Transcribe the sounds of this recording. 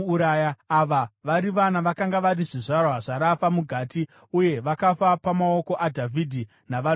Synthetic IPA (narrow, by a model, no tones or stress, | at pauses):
ɾajaaʋaʋaɾiʋanaʋakaŋɡaʋaɾiʐiʐarwaʐaɾafamuɡʱaːti | uje̞ʋakafapamao̞ko̞ʔadʱavʱidʱi | naʋa